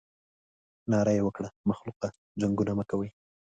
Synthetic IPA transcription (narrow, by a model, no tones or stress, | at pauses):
nɑɾajewəkɽamaxluqa | d͡ʒaŋɡunaməkawəj